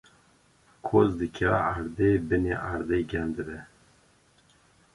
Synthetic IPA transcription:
kʰozd̪ɨkʰɛaɾd̪ebɨneʔaɾd̪eɡʲɛnd̪ɨbɛ

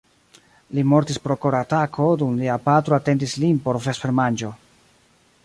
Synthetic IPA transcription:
limo̞ɾtispɾo̞koɾatakʰo̞dumliapatɾoate̞ndislinpo̞ɾfesfeɾmand͡ʒo̞

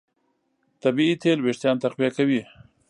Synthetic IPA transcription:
t̪abiit̪ʰelweʃt̪jɑnt̪aqwijakawi

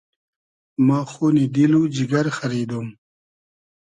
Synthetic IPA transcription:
maːxoːnid̪ilud͡ʑiɡɐɾxaɾiːd̪um

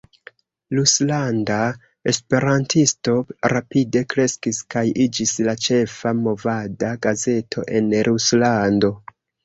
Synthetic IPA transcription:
luslanda | espe̞ɾantisto̞ɾapide̞kɾe̞skiskajid͡ʒislat͡ʃe̞famo̞vadaɡaze̞tʰo̞̰ʔe̞nɾʔuslando̞

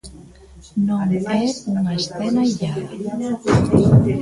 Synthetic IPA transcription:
nõŋɛuŋaesθɛnaʎa

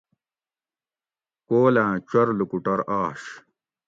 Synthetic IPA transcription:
koːlãːt͡ɕɐɾlukuʈɐɾaːʂ

